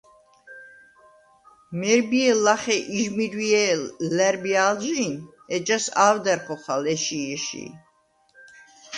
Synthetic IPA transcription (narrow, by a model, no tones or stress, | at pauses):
mɛɾbiɛlaχɛʔiʒmiɾwiɛlɛɾbialʒin | ɛd͡ʒasaːvd̪ɛɾχɔχalɛʃiɛʃḭ